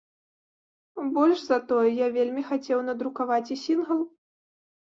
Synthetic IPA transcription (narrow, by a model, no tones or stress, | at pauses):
bɔlʲʂzɐt̪ɔjɛjavʲelʲmʲixat͡sʲɛwnɐd̪ɾukavat͡sʲisʲinɣɐlˠ